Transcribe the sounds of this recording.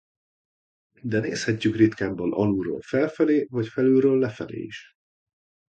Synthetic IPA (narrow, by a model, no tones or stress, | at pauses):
d̪ɛnḛːshɛcːykrit̪kaːmbɒnɒluɾo̰ːlfɛlfɛleːvɒcfɛlyɾøːlːɛfɛlḛːḭʃ